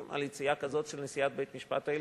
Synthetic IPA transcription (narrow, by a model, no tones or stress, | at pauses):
mʔa̰lit͡sijakazo̞tʃelnesijat̪̚bejt̪miʃpa̰t̪ael